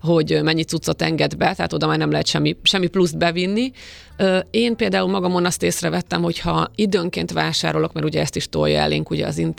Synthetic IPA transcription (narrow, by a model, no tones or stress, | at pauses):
ɦo̞ɟmɛɲːit̪sut̪sːo̞t̪ɛŋɡɛd̪bɛt̪ɛɦaːt̪o̞d̪ɒmaːrnɛmlɛɦɛt̪ʃɛmːiʃɛmːipluzd̪̚bɛvinːi | øːeːnpeːld̪aːulmɒɡɒmo̞nɒst̪eːsrɛvɛt̪ːɛmho̞chɒid̪øːŋkeːnt̪ʋaːʃa̰ːɾo̞lo̞kmɛɾuɟɛɛst̪iʃt̪o̰jɒ̰ɛ̰lḛːŋkuɟɛ̰ɒ̰zint̪